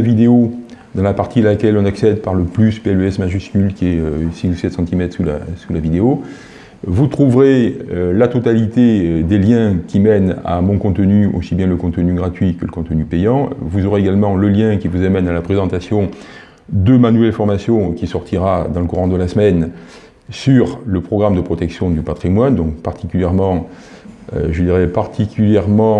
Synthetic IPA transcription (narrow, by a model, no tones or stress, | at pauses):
vid̪eo | d̪ɑ̃lapaʁt̪ilakʲɛlɔ̃naksɛd̪paʁləplyspeɛløɛsmaʒyskʲylkʲiɛøsisusɛt̪sɑ̃t̪imɛt̪χsula̰sulavid̪eo | vut̪χuvʁelat̪ɔt̪alit̪ed̪eljɛ̃kʲimɛna̰mɔ̃kɔ̃t̪ənyo̰sibjɛ̃ləkɔ̃t̪ənyɡʁat̪ɥikələkɔ̃t̪ənypejɑ̃vuzɔʁeeɡalmɑ̃ləljɛ̃kʲivuzamɛnalapχezɑ̃t̪asjɔ̃ | d̪əmanuvɛlfɔʁmasjɔ̃kʲisɔʁt̪ʰiʁad̪ɑ̃ləkuʁɑ̃d̪əlasəmɛn | syʁləpχɔɡʁamd̪əpχɔt̪ɛksjɔ̃d̪ypat̪χimwand̪ɔ̃kpaʁt̪ikʲyljɛʁmɑ̃ | ø̰ʒəd̪iʁɛpaʁt̪ʰikʲyljɛʁmɑ̃